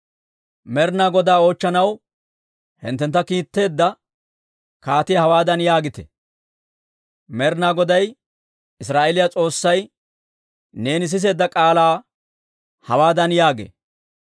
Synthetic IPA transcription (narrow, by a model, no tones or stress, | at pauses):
mɛɾnaːɡɔd̪aːo̞ːt͡ʃːɐnɐw | hɪ̰nt̪ːɛnt̪ːɐkiːt̪ːe̞ːd̪ːɐ | kaːt̪ɪjɐhɐwaːd̪ɐnjaːɡɪt̪ɛ̥̰ | mɛɾnaːɡɔd̪ɐj | ɪsɾaːʔelɪjat͡sʼo̞ːsːɐj | ne̞ːnɪs̬ɪs̬e̞ːd̪ːɐkʼaːlaː | hɐwaːd̪ɐnjaːɡḛː